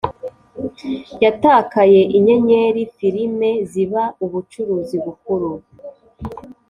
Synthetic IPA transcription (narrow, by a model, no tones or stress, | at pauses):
jataːkaje̞ʔiɲe̞ɲe̞ɾifiɾime̞ziβauβut͡ʃuɾuːziβukuɾu